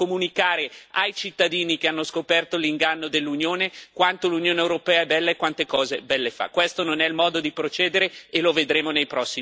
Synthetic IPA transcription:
omunikaːɾeajt͡ʃit̪ːad̪iːnik̟eanːoskopɛrt̪oliŋɡanːod̪elːunjoːnekwant̪olunjoːneewɾopɛːaɛbɛlːaekwant̪ekɔːzebɛlːefa̰kːwest̪ononɛilmɔːd̪od̪ipɾot͡ʃɛːd̪eɾeeloved̪ɾeːmonejpɾɔsːi

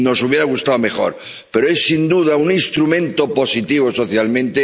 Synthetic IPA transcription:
no̞suβjeɾaɣ̞ust̪awome̞xo̞̰ɾ | pe̞ɾoesːind̪uð̞auninst̪ɾumẽ̞nt̪o̞po̞sit̪iβ̞oso̞θjalmẽnt̪e

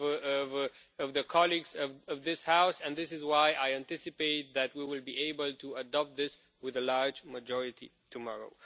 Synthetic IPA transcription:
vʌvʌvðɨkʰɑlˠiɡzʌvʌvðɪshaʊsɨ̃nðɪsɨzwaɪʔaɪæ̃ntɪsɨpeɪt̪̚ðɨt̚wiwɪlˠbiʔeɪbəlˠtʰuədɑp̚t̪̚ðɪs | wɨðəlaɹd͡ʒməd͡ʒɔɹɨtḭ | tʰɨmɑɹo̰ʊ

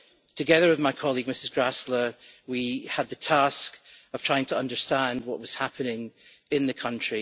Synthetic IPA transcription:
tʰəɡɛðə˞wɪðmaɪkʰɔlˠiɡ̚mɪsɪzɡɹaslˠə˞wiəd̪̚ðətʰaskəv̥tʰɹ̥aɪɪ̃ŋtʰəʌ̃ndə˞stãnd̚wɔʔwɔz̥hapʰənɪ̃ŋɪ̃nðəkʰʌ̃nt͡ʃɹ̥i

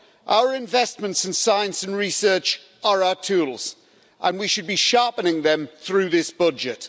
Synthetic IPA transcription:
ʔa̰ʊəɹɪ̃ɱvɛsmə̃ntsɪ̃n̩saɪə̃nsə̃nɹisɜˑt͡ʃ | əɹaʊətʰuːlˠz̥ | ʔə̃nwiʃɨd̚biʃɑɹpənɪ̃ŋðə̃mθɹʉːðɪsb̥ʌd͡ʒɪt

